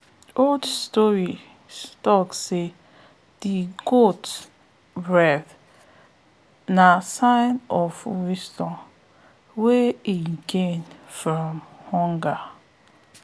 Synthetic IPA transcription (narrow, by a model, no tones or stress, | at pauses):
oldstɔɹi | stɔkse | diɡot | bɹɛθ | nasãɪnɔfwistɔ̃n | weiɡẽnfɾɔmhɔŋɡa